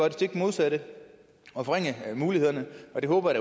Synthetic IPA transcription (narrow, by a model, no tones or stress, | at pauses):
ɒd̥sʰe̝ɡ̥mo̝ðˠsæɾ̥ə | ɒ̽fɒʁeŋ̰əmuːlihe̝ð̞̰ˠɐnəɒ̽d̥e̝ɦɔ̽ːb̥ɐɾ̥æ